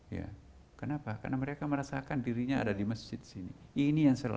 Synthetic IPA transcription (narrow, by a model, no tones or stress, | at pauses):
ja̰ | kənapaka̰rnaməɾekaməɾasakandiɾiɲaa̰dadiməsd͡ʒɪt̪̚i̥sinḭinijaŋsəla̰